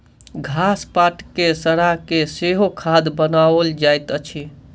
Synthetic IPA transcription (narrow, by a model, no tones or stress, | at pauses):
ɡʱaspaʈkesəɾakeseɦokʰad̪bənaəld͡ʒajt̪ət͡ʃʰi